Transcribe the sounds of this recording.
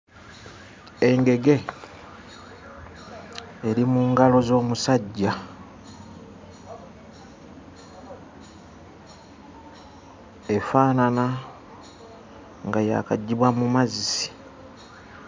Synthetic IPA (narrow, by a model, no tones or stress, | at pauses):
e̞ŋɡe̞ɡe̞ | eɾimuŋɡalo̞zo̞ːmusaɟːa | e̞faːnana | ŋɡaja̰ːkaɟːiβwamumazisi̥